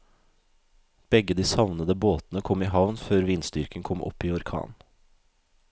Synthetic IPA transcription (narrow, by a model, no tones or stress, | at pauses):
b̥ɛɡəd̪iːsɑʋnəd̪əboːt̪n̩əkʰɔmiːɦɑʋnføːɾʋiːnsd̪ʏɾkəŋkʰɔmʔɔ̰piːɔɾkʰɑ̰ːn